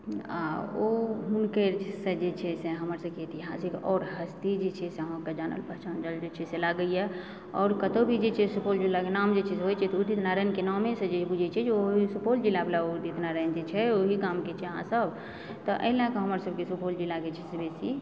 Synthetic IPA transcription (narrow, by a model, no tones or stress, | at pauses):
a̰oɦunkesəd͡ʒet͡ʃʰɛseɦəməɾsəbkeet̪iɦasiɾɔːɾɦəst̪id͡ʒet͡ʃʰɛseɦõked͡ʒanə̰lpəɦt͡ʃand͡ʒəld͡ʒet͡ʃʰɛselaɡəijɛ | ɔ̰ːɾkət̪obʱid͡ʒet͡ʃʰɛsupold͡ʒilːakenamd͡ʒet͡ʃʰɛsɦojt͡ʃʰɛt̪ɔud̪it̪naɾəjnkenamesə̃d͡ʒebud͡ʒʱɛt͡ʃʰɛd͡ʒeoɦisupold͡ʒilːablaod̪it̪naɾənd͡ʒet͡ʃʰɛoɦiɡamket͡ʃʰɛɦãsəb | t̪ɔʔə̰lãkeɦəməɾsəbkesupold͡ʒilːaɡet͡ʃʰɛsebesi